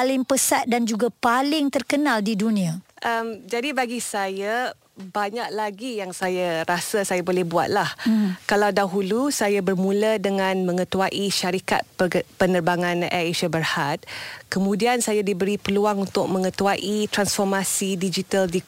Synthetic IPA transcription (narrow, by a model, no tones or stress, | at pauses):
alɪmpəsat̪̚dand͡ʒuɡapalɪŋt̪ərkənaldidunĩaʔəmd͡ʒadibaɡisaja | baɲak̚laɡijaŋsajaɾasasajabolɛhbua̰t̪̚lahkalawdaɦulusajabərmũlədəŋãnmə̃ŋət̪uaʔiʃaɾika̰t̪̚pənərbaŋãnɛ̰eʃabərhat̪̚kəmũdiansajadibəɾipəluaŋunt̪ʊk̚mə̃ŋət̪uaʔit̪ɾansfɔrmasidid͡ʒit̪aldi